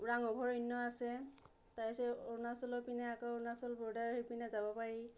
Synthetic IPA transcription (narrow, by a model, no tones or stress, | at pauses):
ɹaŋɔbʱɔɹɔnːɔasɛ | tajisɛɔnasɔlɔpinɛakɔɔɹnasɔlbɔɹdaɹɦojpinɛzabɔpaɹi